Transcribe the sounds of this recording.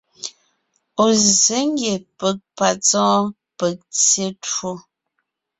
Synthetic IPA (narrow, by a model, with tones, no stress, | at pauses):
o˨ze˨˦ŋ˦ɡje˨pə˨k̚pa˨t͡sɔ̃ː˦ | pə˨k̚t͡sje˦two˦